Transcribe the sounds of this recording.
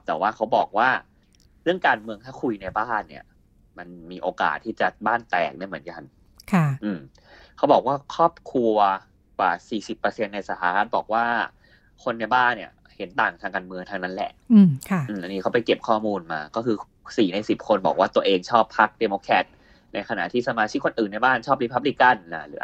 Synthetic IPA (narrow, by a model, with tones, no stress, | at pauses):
t̪ɛː˨˩waː˥˩kʰa˦˥wbɔ̰ː˨˩k̚waː˥˩ | ɾɯ˥˩əŋkaː˧nmɯ˧əŋt̪ʰaː˥˩kʰu˧jna˧jbaː˥˩nːḭ˦˩ɐ | ma˧nmiː˧ʔoː˧ka̰ː˨˩t̪ʰːiː˥˩t͡ɕa˨˩baː˥˩nt̪ɛ̰ː˨˩k̚daː˥˩jmɯ˩˦ənka˧n | kʰa˥˩ʔɯː˨˧˩m | kʰa˦˥wbɔː˨˩k̚waː˥˩kʰɔː˥˩p̚kʰu˧ɐ˧ | kwaː˨˩siː˨˩si˨˩pːɤ˧se˧nːa˧jsa˧˩hʰa˧˦ɾa˦˥t̪̚bɔː˨˩k̚waː˥˩ | kʰo˧nːa˧jbaː˥˩nːi˨˩ɐ | he˩˦nt̪aː˨˩ŋt̪ʰaː˧kaː˧nmɯ˧əŋt̪ʰaː˧ŋna˦˥nlɛ̰˨˩ʔkʰa˥˩ʔɯː˧˩ʔa˧nːiː˦˥kʰa˦˥wpa˧jke˨˩p̚kʰɔː˥˩muː˧nma̰ː˧kɔː˥˩kʰɯː˧ | siː˨˩na˧jsi˨˩p̚kʰo˧nbɔː˨˩k̚waː˥˩t̪u˧ɐʔeː˧ŋt͡ɕʰɔː˥˩pʰːa˦˥k̚deː˧moː˧kʰɛ˦˥t̪̚ | na˧jkʰa˧na̰˨˩ʔt̪ʰiː˥˩sa˧maː˧t͡ɕʰi˦˥kʰːo˧nʔɯː˨˩nːa˧jbaː˥˩nt͡ɕʰɔː˥˩p̚ɾi˧pʰa˦˥p̚li˧˥ka˥˩na˨˩lɯː˨˩˦